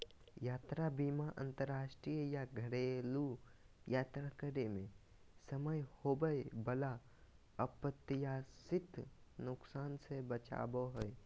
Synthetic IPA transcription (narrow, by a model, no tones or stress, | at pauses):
jaːt̪ɾabiːmaʔə̰̃nt̪əɾːaːʃʈɾijəjaɡʱəɽelu | jaːt̪ɾakəɾemẽ | səməjhobəebəla | əpət̪ːjasɪt̪nʊksaːnsebət͡ʃa̰ːboɦəe